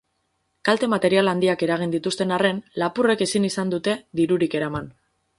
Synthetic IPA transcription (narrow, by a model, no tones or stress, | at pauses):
kalt̪e̞mat̪e̞ɾialand̪iake̞ɾaɣ̞ind̪it̪ust̪e̞nare̞nlapure̞ke̞sinisand̪ut̪e̞ðiɾuɾike̞ɾaman